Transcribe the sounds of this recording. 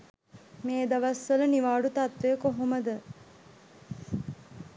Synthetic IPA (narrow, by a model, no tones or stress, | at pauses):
meːd̪aʋasʋələniʋaːɖut̪at̪ʋejəkoɦoməd̪ə